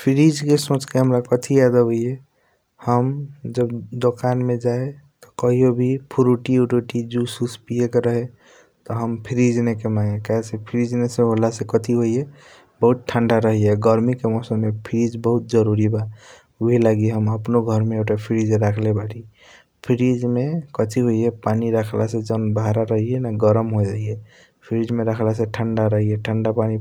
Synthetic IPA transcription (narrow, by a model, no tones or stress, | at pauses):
pʰiɾid͡ʒkesõt͡ʃkeɦəmɾakət̪ʰijad̪əɦoie | həmd͡ʒəbd̪okanmed͡ʒaet̪ɔ̥kəɦijobʱipʰuɾuʈiuʈoʈid͡ʒususpijekeɾəɦe | t̪ɔɦəmpʰiɾid͡ʒnekemãŋɡekaɦesepʰiɾid͡ʒneseɦolasekət̪ʰiɦoie | bəɦʊt̪̚ʈʰəɳɖaɾəɦiɦɛɡəɾmikemɔsəmːepʰiɾid͡ʒbəɦʊt̪̚d͡ʒəɾuɾiba | ɦilaɡiɦəməpnoɡʱəɾmẽɡʈapʰiɾid͡ʒɾakʰlebaʈʰi | pʰiɾid͡ʒmẽkət̪ʰiɦoiɦepaːniɾakʰlased͡ʒənbaɾaɾəɦiɦenaɡəɾəmɦod͡ʒaie | pʰiɾid͡ʒmẽɾəkʰlaseʈʰəɳɖaɾəɦiɦeʈʰəɳɖapaːni